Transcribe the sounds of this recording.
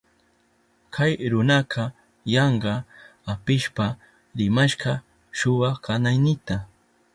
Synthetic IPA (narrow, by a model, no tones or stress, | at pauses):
kʰajɾʊnɑqʰɑ | jɑɴɢɑapɪʃpa | ɾɪmaʃɢɑ | ʃʊwɑkanajnɪt̪a